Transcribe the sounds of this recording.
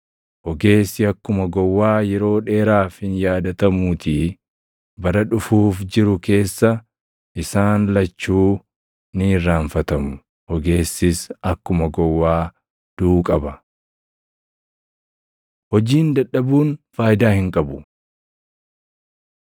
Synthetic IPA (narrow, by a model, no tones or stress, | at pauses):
hɔɡe̞ːsːɪɐkːʊmɐɡɔwːaːjɛɾo̞ːᶑe̞ːɾaːfhɪnjaːd̪ɐt̪ɐmuːt̪iː | bɐɾɐᶑʊfuːfd͡ʒɪɾʊke̞ːsːɐ | ʔɪsaːnlɐt͡ʃːuː | niːrːaːɱfɐt̪ɐmʊ | hɔɡe̞ːsːɪsɐkːʊmɐɡɔwːaː | d̪̥uːkʼɐbɐ | hɔd͡ʒiːnd̪ɐᶑɐbuːnfaːjɪd̪aːhɪŋkʼɐbʊ